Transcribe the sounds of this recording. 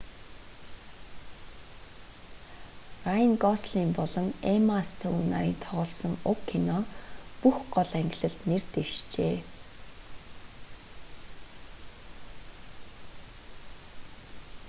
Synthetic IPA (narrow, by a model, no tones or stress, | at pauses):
rainɡɔsɮiːmpɔɮɞ̆ŋemast̪ʰæwunna̰ɾiːnt̪ʰɔʁɞ̆ɮsɞ̆ŋʊkʰːinɔpuxɢɔɮæŋɡʲɪ̆ɮɘ̆ɮt̪nert̪eʃt͡ɕeː